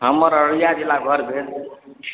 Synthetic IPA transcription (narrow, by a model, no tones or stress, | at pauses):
ɦəməɾəɾijad͡ʒelaɡʱəɾbʱet̪